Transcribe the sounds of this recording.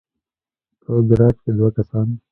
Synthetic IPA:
t̪oːɡɐɾaːt͡ʃked̪wakɐsaːn

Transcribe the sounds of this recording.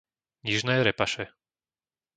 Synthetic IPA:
ɲiʒnɛːɾɛpaʃɛ

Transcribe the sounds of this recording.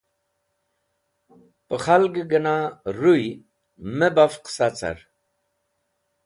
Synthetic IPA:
pəχalɡəɡənaɾuj | mebafqsat͡sa̰ɾ

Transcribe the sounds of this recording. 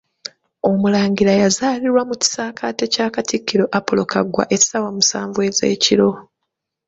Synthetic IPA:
o̞mulaːŋɟilajazaːliɾwamuci̥saːkʰaːte̞caːkatikːiɾo̞ʔapolo̞ka̰ɡwa̰ʔe̞sawamusaːɱvuwe̞ze̞̰ːciɾo̞

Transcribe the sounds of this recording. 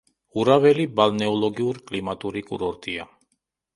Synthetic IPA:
uɾaβɛlibalnɛɔlɔɡiuɾkʼlimat̪ʼuɾikʼṵɾɔɾt̪ʼia

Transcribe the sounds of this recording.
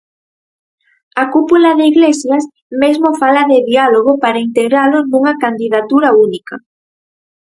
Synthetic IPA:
akupulaðeiɣlesjas | mezmofalaðeðialoɣ̞opaɾaint̪eɣɾalonuŋakand̪iðat̪uɾaunika

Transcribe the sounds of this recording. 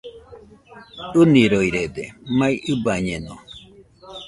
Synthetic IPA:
ɨniɾoiɾed̪emãĩʔɨbaɲeno̰

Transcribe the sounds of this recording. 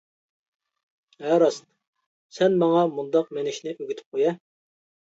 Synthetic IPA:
æɾɑst̪ | sɛnmɑŋɑmund̪ɑqmenɪʃnɪʔøɡʲyt̪ʰy̥p̚qʰojɛ

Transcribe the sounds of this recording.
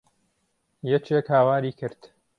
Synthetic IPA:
jɛt͡ʃekhaːwaːɾiːkʰɨɾt̪

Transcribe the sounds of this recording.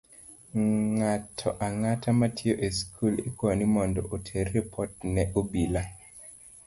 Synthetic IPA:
ŋatʰɔʔaŋatʰamatʰɪoʔeskʰulekwonimɔndɔʔotʰerːepʰɔt̚nɛʔobila

